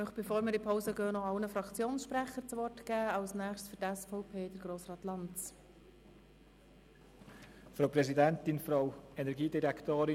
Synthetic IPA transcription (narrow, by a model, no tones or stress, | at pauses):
mœχb̥efoːɾmɪːɾipʰɔʊsəɡœːnɔɑlnəfɾɑkt͡sjoːnsʃpɾæχəɾt͡sʋɔrtɡ̥æːɑʊsnæːχtsfʏɾtɛsfɔʊpʰeːd̥əɾɡ̥ɾoːsrɑːtlɑntt͡s | fɾoʊpɾɛzidɛnt̪ɪnfɾowɛnɛɾɡiːdiɾɛkʰt̪oːɾɪ